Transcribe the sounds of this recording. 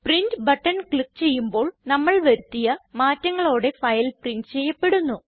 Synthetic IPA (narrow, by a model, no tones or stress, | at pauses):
prindbɐʈːɐnkɭik̚ːt͡ɕe̞jːumbo̞ːɭnɐmːɐɭʋɐɾut̪ːijɐmaːtːɐŋːɐɭo̞ːɽe̞fɐjlprindɨt͡ɕe̞jːɐpːe̞ɽunːu